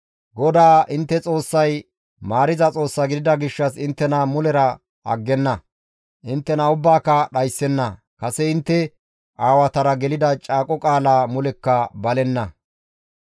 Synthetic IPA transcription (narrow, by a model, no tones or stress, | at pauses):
ɡɔd̪aːʔɪnt̪ːɛt͡sʼo̞ːsːɐj | maːɾɪzɐt͡sʼo̞ːsːɐɡɪd̪ɪd̪ɐɡɪʃːɐsɪnt̪ːɛnɐmʊlɛɾɐ | ʔɐ̰ɡːɛnːɐ | ʔɪnt̪ːɛnɐʊbːaːkːɐɗɐjsːɛnːɐ | kɐsɛɪnt̪ːɛ | ʔaːwɐt̪ɐɾɐɡɛlɪd̪ɐt͡ʃʼaːkʼɔkʼaːlaːmʊlɛkːɐbɐlɛnːɐ